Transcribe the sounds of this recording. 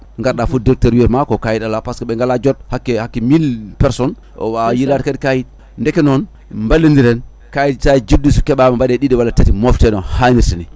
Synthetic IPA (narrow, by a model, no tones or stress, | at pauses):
ŋɡaɾɗafudeɾteɾwieɾmakokajidalapaskeɓeŋɡalad͡ʒot̚hakːehakːimilpɛɾsɔn | o̰wajilaɾkadkajit̚ | ndekenon | mbalːindiɾen | kajittaid͡ʒidisu̥keɓamambaɗeɗidiwalːatatimoftenohaniɾsini